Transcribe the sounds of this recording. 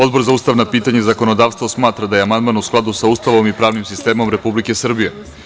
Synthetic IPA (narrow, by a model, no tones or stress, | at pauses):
o̞d̪bo̞ɾzauːst̪aʋnapiːt̪aɲezako̞nod̪aːʋst̪vʋosmaːt̪ɾad̪aje̞amand̪maːnusklˠad̪usauːst̪aʋo̞mipɾaːʋnimsist̪e̞ːmo̞mɾe̞publike̞sr̩bije